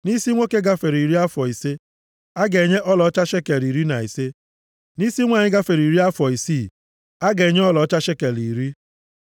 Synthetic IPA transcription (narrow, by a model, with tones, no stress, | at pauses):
ni˦si˦ŋʷo˦ke˦ɡa˦fe˨ɾi˨ɾi˦a˦fɔ˨i˨se˦ | a˦ɡe˨ɲe˦ʔɔ˦lɔ˨˦t͡ʃa˦ʃe˦ke˨li˨ɾi˦na˨i˨se˦ | ni˦si˦ŋʷa˨ɲɪ˦ɡa˦fe˨ɾi˨ɾi˦a˦fɔ˨i˨si˦˨ | a˦ɡe˨ɲe˦ɔ˦lɔ˨˦t͡ʃa˦ʃe˦ke˨li˨ɾi˦